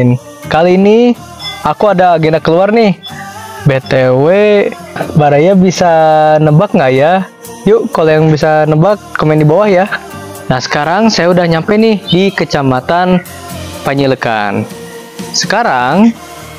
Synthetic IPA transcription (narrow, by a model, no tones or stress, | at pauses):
n | kaliːni | akuadaːɡenakəluarnɪhbet̪ewe | baɾajabisanəbak̚ŋɡaja | juʔkolojaŋbisanəbakːomɛndibawahja | nahsə̥kaɾaŋsajaudahɲampɛnɪhdikət͡ʃamat̪an | paɲiləka̰n | sə̥kaɾaŋ